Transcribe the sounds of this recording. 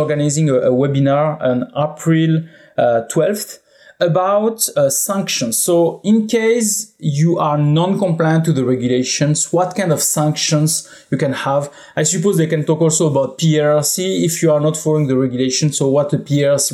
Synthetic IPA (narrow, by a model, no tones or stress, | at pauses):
ɔɹɡanajzĩŋəʔəwɛbinaɹɔ̃napʰɹil | tʰwɛlfθ | əbawtsæ̃ŋkʃɔ̃nsːoĩnkejsjuʔaɹnɔ̃nkɔ̃mplajə̃ntːuðəɹɛɡjuleʃɔ̃nswɔt̚kãɪj̃ndɔv̥sæ̃ŋkʃə̃ns | jukɛ̃nhav | ajsupozðekɛ̃ntɔkɔlsoəbawt̚piɛɹsiːfjuaɹnɔtfɔlĩŋðəɹɛɡjleʃɔ̃nsowɔt̪̚ðəpiɛsi